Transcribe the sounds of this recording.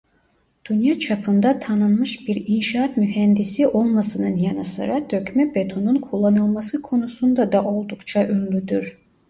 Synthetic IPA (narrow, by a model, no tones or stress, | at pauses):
d̪̥ynjat͡ʃʰapʰɯnd̪at̪ʰanɯnmɯʃbiɾinʃaːt̪myɦɛnd̪isiʔo̞lˠmasɯnɯnjanɯsɯ̰ɾad̪øcmɛbet̪ʰonunkʰulˠːanɯlˠmasɯkʰo̞nusund̪ad̪ɑʔo̞lˠd̪ukt͡ʃʰaʔynlʲyd̪yɾ